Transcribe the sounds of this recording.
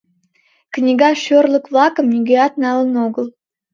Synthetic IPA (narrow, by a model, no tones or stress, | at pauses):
knʲiɡɑʃørlˠəkvlˠɑkəmnʲiɡʲeɑt̪̚nɑlˠənoɡə̆lˠ